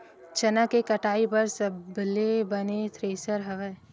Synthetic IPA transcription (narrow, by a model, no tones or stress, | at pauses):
t͡ʃɐnakekɐʈaːipɐɾsɐblebɐnet̪ʰɾeːsəɾɦɐʋɛː